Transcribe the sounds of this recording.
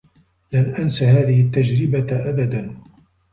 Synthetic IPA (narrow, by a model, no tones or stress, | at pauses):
lanʔansaɦaːðɪhɪt̪ːad͡ʒɾɪbaʔabad̪an